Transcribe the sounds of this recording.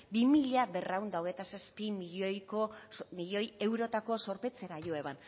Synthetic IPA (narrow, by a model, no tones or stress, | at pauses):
bimiʎabe̞rawnd̪aoɣe̞t̪asaspimiʎojkomiʎo̞je̞wɾo̞t̪ako̞so̞ɾpe̞t͡se̞ɾaʝoe̞βan